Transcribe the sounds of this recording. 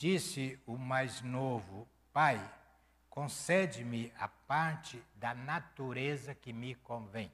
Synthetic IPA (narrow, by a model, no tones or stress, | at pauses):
d͡ʒisɪʊmajznovʊ | paj | kõsɛd͡ʒɪmɪapaɾt͡ʃɪd̪ɐnat̪uɾezɐkɪmɪkõvẽj̃